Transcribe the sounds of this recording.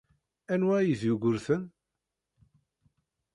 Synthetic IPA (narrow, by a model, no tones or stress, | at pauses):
ænwæjəzjuɡʷʊɾθən